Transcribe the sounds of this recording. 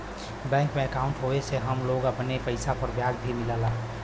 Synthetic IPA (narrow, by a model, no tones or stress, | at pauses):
bɛ̃ːŋkmẽəkaːʊ̃ɳʈɦoeseɦəmloɡabənepəɪsapəɾbjaːɡbʱimɪlaːlaː